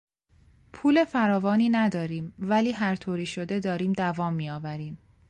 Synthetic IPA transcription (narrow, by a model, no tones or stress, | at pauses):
pʰuːle̞fæɾɒːvɒːniːnæd̪ɒːɾiːmvæliːɦæɾt̪ʰoːɾiːʃod̪e̞d̪ɒːɾiːmd̪ævɒːmːiːjɒːvæɾiːm